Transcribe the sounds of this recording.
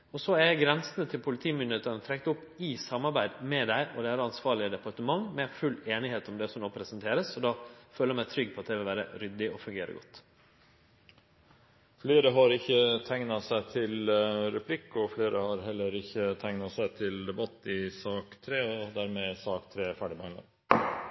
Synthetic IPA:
ɔsɔæɡɾɛnsənət̪ʰɪlpʰʊlɪt̪ʰiːmʏnd̪eːt̪ənət̪ʰɾɛkt̪ʊpː | ɪsɑmːɑɾbæɪd̪mɛd̪æɪʔɔd̪ɛæɾɑnsʋɑːɭɪəd̪ɛpɑɾʈ̪əmɑŋmɛfʉlːeːnɪheːt̪ɔmd̪ɛsɔmnoːpʰɾɛsənt̪ʰeːɾəsɔd̪ɑːføːləɾmæɪt̪ʰɾʏɡ̚pʰɔɑt̪̚d̪ɛʋɪlʋæːɾə̰ɾʏd̪ɪɔfʉŋɡeːɾə̰ɡɔt̪ː | fleːɾəɦɑɾɪçːət̪ʰæŋnɑsæɪt̪ʰɪlɾɛpʰlɪkːɔfleːɾəhɑɾɦɛlːəɾɪçːət̪ʰæŋnɑsæɪt̪ʰɪld̪ɛbɑt̪ːɪsɑːkt̪ʰɾeːɔd̪æːɾmɛsɑːkt̪ʰɾeːfæɖɪbɑnlɑ̰n

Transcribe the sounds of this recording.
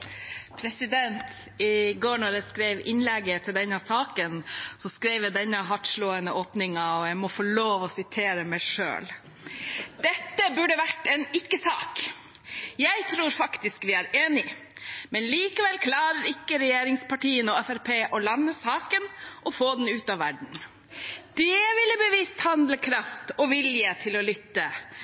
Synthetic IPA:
pʰɾɛsɪd̪ɛnt̪ | ɪɡoːɳɔɾæskɾeɪʋɪ̰nlɛɡːət̪ʰɪld̪ɛnːɑsɑːkənsɔskɾeɪʋjəd̪ɛnːəɦɑʈʂɭoːənəʔoːpnɪŋɑɔjæɪmɔfɔɭoːʋɔsɪt̪ʰeːɾəmæɪʂø̰ːl | d̪̥ɛt̪ːəbʉɖəʋæʈːɛnɪkːəsɑ̰ːk | jæɪt̪ʰɾuːɾfɑkt̪ɪskʋɪæɾeːnɪ | mɛnliːkəʋɛlkʰlɑːɾəɾɪkːəɾɛjeːɾɪŋspɑʈiːənəɔɛfæɾpʰeːʔɔlɑnːəsɑːkənʔɔfoːd̪ɛn̩ʉːt̪ɑʋːæɖɳ̩ | d̪̥ɛʋɪlːəbəʋiːst̪hɑnd̪ləkʰɾɑft̪ɔʋɪljət̪ʰɪlɔlʏt̪ːə

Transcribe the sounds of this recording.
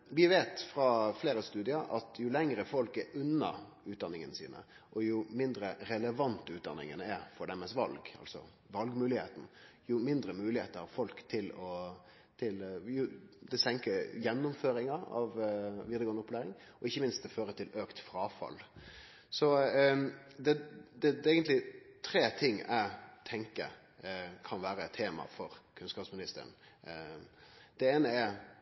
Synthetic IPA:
ʋɪʋeːt̪fɾɑfleːɾəst̪ʉːd̪ɪɑɾʔɑt̪ʰjʊlɛŋɾəfɔlkɛɾʉnːɑ̰ | ʉːt̪d̪ɑnːɪŋənsḭːnə̰ | ʔɔjʊmɪnd̪ɾəɾɛləʋɑnt̪ːʉːt̪̚d̪ɑ̰nːɪ̰ŋənəɛɾfɔɖ̪ɛməsʋɑ̰lɡɑ̰lsɔ̰ | ʋɑlɡmʉːlɪhḛːt̪n̩jʊmɪnd̪ɾəmʉːlɪheːt̪əɾhɑɾfɔlkt̪ʰɪlɔ | t̪ʰɪljʊd̪ɛsɛŋkəɾjɛnːʊmføːɾɪŋɑɾɑ̰ʋʋɪɾd̪əɡɔːnʊpːleːɾɪŋ | ɔɪçːəmɪnst̪d̪ɛføːɾət̪ʰɪløːkt̪fɾɑːfɑ̰lː | sɔ | d̪ɛd̪ɛɛːɡənt̪lɪt̪ʰɾeːt̪ʰɪŋːæ̰ɪt̪ʰɛŋkə̰ | kʰɑnʋæːɾəɛt̪ʰːeːmɑ̰fɔɾkʰʉnskɑːpsmɪnɪst̪ə̰ɾə̰n | d̪̥ɛeːnəɛɾ

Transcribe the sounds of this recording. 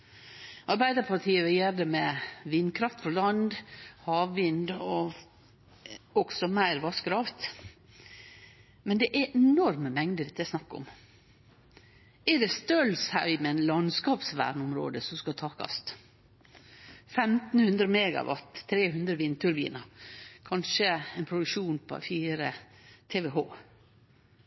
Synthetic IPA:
ʔɑɾbæɪd̪əpʰɑt̪ʰiːəʋɪjeːɾd̪əmɛʋɪnd̪kʰɾɑft̪fɔlɑnd̪hɑːʋʋɪnd̪ɔ | ɔɡsɔmæɪɾʋɑskɾɑːft̪ | mɛnd̪ɛʔæʔɛnɔɾməmɛŋd̪əɾɪt̪ːəsnɑkːʊ̰m | ɛɖɛst̪œlshɑʏmɛɛnlɑnskɑːpsʋæ̰ːɳʊmɾo̰ːd̪əsɔmskɑt̪ʰɑːkɑ̰st̪ | fɛmt̪n̩hʉnd̪ɾəmɛːɡɑ̰ʋɑ̰t̪ʰːɾeːhʉnd̪ɾəʋint̪ʰʉɾbḭːnɑkʰɑnʃəɛnpʰɾʊd̪ʉkʂuːnpʰɔ̰fiːɾə | t̪ʰeːʋɛɦoː

